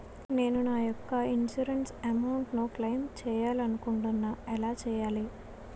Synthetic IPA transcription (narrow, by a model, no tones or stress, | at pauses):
ne̞ːnunaːjɔkːɐind͡ʒuɾensɐmɐwuɳʈnuklɐjmt͡ʃɛːjaːlɐnukuɳʈunːɐɛlaːt͡ʃɛːjaːli